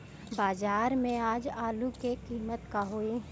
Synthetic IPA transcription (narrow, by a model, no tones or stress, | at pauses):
baːzaːɾmẽaːd͡ʒaːlukekiːmət̪kaɦoe